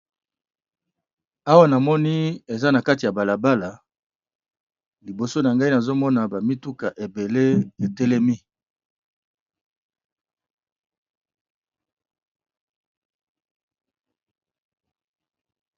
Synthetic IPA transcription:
a˦wa˦na˨mɔ˦ni˦e˨za˦na˨ka˦ti˨a˨ba˨la˨ba˦la˨ | li˨bo˨so˦na˨ŋɡa˦i˦na˨zo˦mɔ˦na˨ba˨mi˦tu˦ka˨ʔe˨be˨le˦e˨te˦le˦mi˦

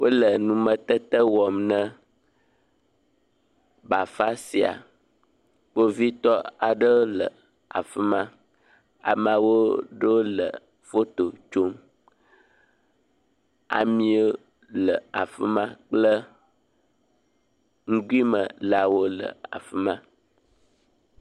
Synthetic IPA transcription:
wo˦lə˨nũ˨mə̃˨t̪ə˦t̪ə˦wɔ˨mnə̃˦ | ba˨fa˦si˨a̰˨ | k͡po˦vi˦t̪ɔ˦a˨ɖə˦o˦lə˨ | a̰˨fə˦mã˦ | a̰˨mã˨wo˦ɖə˦wo˦lə̰˨ | fo˦t̪o˨t͡ʃo˦m | a̰˨mĩ˦e˦ | lə˨a˨fə˦mã˦k͡plə˦ | ŋ̩˦ɡu˦i˦mə˨la˨wo˦lə̰˨a̰˨fə˦mã˦

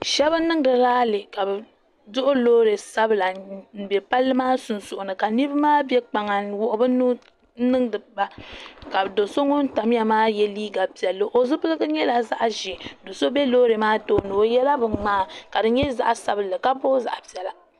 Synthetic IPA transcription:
ʃɛ˦βɨ˦nɨ˦ŋ˦dɨ˨ɾaː˦lɨ˨ka˨bɨ˨ | zʊ˦ʔʊ˦loː˦ɾe˨sa˦bɨ˨la˨n̩˨bɛ˨pa˦lːɨ˦maː˦sʊ˨nsʊ˨ʔʊ˨nɨ˨ka˨ni˦bɨ˦maː˦bjɛ˦k͡pa˨ŋa˨wʊ˦ʔʊ˦bɨ˦nu˦ | nɨ˦ŋdɨ˨ba˨ka˨do˨so˦ŋʊ˦n˦ta˨m˦ja˨maː˦jɛ˦liː˦ɡa˨pi˨ɛ˨lːo˦ʔo˨zʊ˦pɨ˦lɨ˦ɡɨ˦ɲɛ˦la˨za˦ʔʒɛ˨do˨so˦bɛ˦loː˦ɾe˨maː˦toː˦nɨ˨o˨jɛ˦la˦bɨ˨maː˦˨ka˨dɨ˨ɲɛ˦za̰˦ʔa˨sa˦bɨ˨lɨ˨ka˦po˦za̰˨ʔa˨pi˨ɛ˨la˨

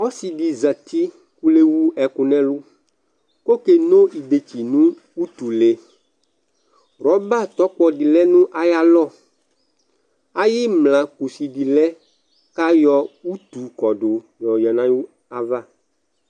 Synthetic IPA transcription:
ɔ˦si˨ɖi˨za˨t̪i˦ | ku˦le˦wu˦ɛ˨ku˨nɛ̃˦lu˦ | ko˦ke˨nõ˦i˨de˨t͡ʃi˨nũ˦ | u˦t̪u˨le˨ | ɾɔ˨˦ba˦˨t̪ɔ˦k͡pɔ˨ɖi˨lɛ˦nũ˦ʔa˨ja˦lɔ˦˨ | a˦ji˦mlã˨ku˨si˨ɖi˨lɛ˦ | ka˦jɔ˦u˦t̪u˨kɔ˨ɖʊ˨ | jɔ˨jɔ˨nã˦ju˦ | a˦˨va˦

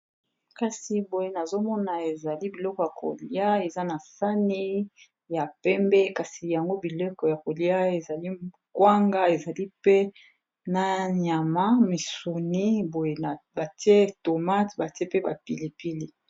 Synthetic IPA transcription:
ka˨si˨bo˨je˨na˨zo˦mɔ˦na˨e˨za˨li˦bi˨lɔ˦kɔ˨ja˨ko̰˨li˦a˦e˨za˦na˨sa˦ni˦ | ja˨pɛ˦mbɛ˦ka˨si˨ja˨ŋɡo˦bi˨lɔ˦kɔ˨ja˨ko˨li˦a˦e˨za˨li˦ | kwa˦ŋɡa˦e˨za˨li˦pe˦ | na˨ɲa˨ma˦mi˨su˨ni˦bo˨je˨ba˨ti˦e˦to˨ma˦tba˨te˦pe˦ba˨pi˨li˨pi˦li˦

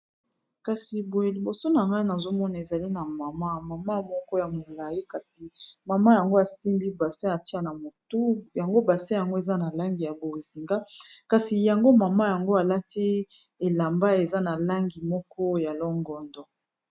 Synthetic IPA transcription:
ka˨si˨bo˨e˨li˨bo˨so˦na˨ŋɡa˦i˦na˨zo˦mɔ˦na˨e˨za˨li˦na˨ma˨ma˦ma˨ma˦mɔ˦kɔ˦ja˨mo˨la˨ji˦ka˨si˨ma˨ma˦ja˨ŋɡo˦a˨si˦mbi˦ba˨sa˦a˨ti˦a˦na˨mo˨tu˦ja˨ŋɡo˦ba˨sa˦ja˨ŋɡo˦e˨za˦na˨la˦ŋɡi˨ja˨bo˨zi˨ŋɡa˦ka˨si˨ja˨ŋɡo˦ma˨ma˦ja˨ŋɡo˦a˨la˦tʰi˦ | e˨la˨mba˦e˨za˦na˨la˦ŋɡi˨mɔ˦kɔ˦ja˨lɔ˦ŋɡɔ˨ndɔ˨

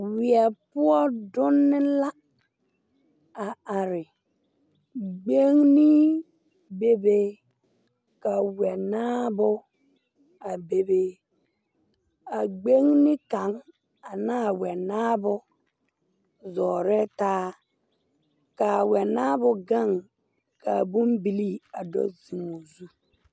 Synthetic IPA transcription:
wi˨ɛ˨pu˦ɔ˦dʊ˦nːɪ˦la˦ | a˨a˨ɾɪ˨ | ɡ͡be˦ŋni˦ | be˦be˦ | ka˨wɛ˨naː˦bʊ˦ | a˨be˨be˦ | a˨ɡ͡be˦ŋnɪ˦ka˨˦ŋ | a˨naː˦˨wɛ˨naː˦bʊ˦ | zɔː˨ɾɛ˦taː˦ | ka˨wɛ˨naː˦bʊ˨ɡa˦˨ŋ | ka˨bu˦mbi˦li˦a˨dɔ̰˦zi˨ŋo˨zu˦

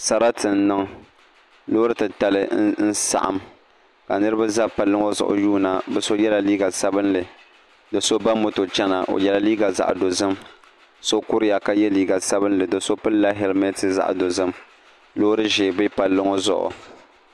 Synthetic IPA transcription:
sa˨ɾa˦tʰɨ˨n̩˦nɨ˦ŋ | loː˦ɾɨ˦tɨ˨ta˨lɨ˦n̩˦sa̰˨ʔa̰˨m | ka˨nɨ˦ɾɨ˦ba˦za˦pa˨lːɨ˦ŋo˦zʊ̰˨ʔʊ̰˨juː˦˨na˨bɛ˦so˦jɛ˦la˨liː˦ɡa˨sa˦bɨ˦nlɨ˨ | dɨ˨so˦ba˦mo˨to˨t͡ʃɛ˦na˨ʔo̰˨jɛ˦la˦liː˦ɡa˨za̰˨ʔdo˨zɨ˦m | so˦kʊ˦ɾɨ˦ja˨ka˨˦jɛ˦liː˦ɡa˨sa˦bɨ˦nlɨ˨dɨ˨so˦pɨ˦n˦la˦ɦɛ˨lmɛ˦tɨ˦za̰˦ʔdo˨zɨ˦m | lo˦ɾɨ˦ʒe˨bɪ˦pa˨lːɨ˦ŋo˦zʊ̰˨ʔʊ̰˨

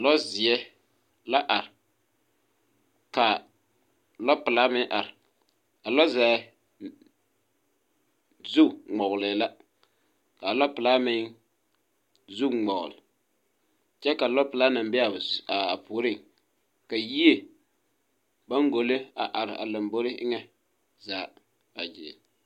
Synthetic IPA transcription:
a˨lɔ˦zɪ˨ɛ˦ | la˦ʔa˨ɾɪ˨ | ka˨ | lɔ˦pɨ˨la˦mɪ˦ʔa˨ɾɪ˨ | a˨lɔ˦za˨˦ | zu˦˨ŋ͡mɔ˨ɣʊ˨lɛ˨la˦ | ka˨lɔ˦pɨ˨laː˦mɪ˦ŋ | zu˦ŋ͡mɔ˨ɣʊ̰˨lɪ˨ | t͡ʃɛ˦ka˨lɔ˦pɨ˨la˦na˨m˦bɪ˦a˨a˨a˨pʰuː˨˦ɾɪ˦˨ŋ | ka˨ji˦e˨ | ba˦ŋɡo˨le˦a˨ʔa˨ɾɪ˨ʔa̰˨la˨mbo˦ɾɪ˦ɪ˦ŋɛ˦ | zaː˨˦˨ | a˨d͡ʒɪ̰˨

